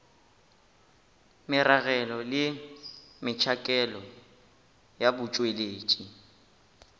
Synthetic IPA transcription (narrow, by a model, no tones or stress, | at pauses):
mɪɾaɣɛlɔlɪ | mɪt͡ʃʰakʼɛlɔ | jabʊt͡ʃʼweleːt͡ʃʼi